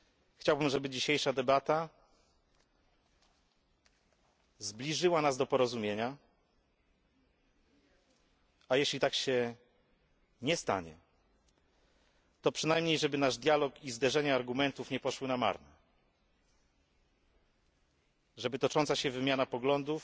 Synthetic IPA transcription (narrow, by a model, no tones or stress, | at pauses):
xt͡ɕawbɘmʐɛbɘd͡ʑiɕejʂad̪ɛbat̪a | zblʲiʐɘwanazd̪ɔpɔɾɔzumʲjeɲa | ajeɕlʲit̪akɕɛ | ɲɛst̪a̰ɲɛ̰ | t̪ɔpʂɘnajmɲejʐɛbɘnaʐd̪ʲjalɔkizd̪ɛʐɛɲaaɾɡumɛnt̪ufɲɛpɔʂwɘnama̰ɾnɛ | ʐɛbɘt̪ɔt͡ʂɔnt̪saɕɛvɘmʲjanapɔɡlɔnd̪uf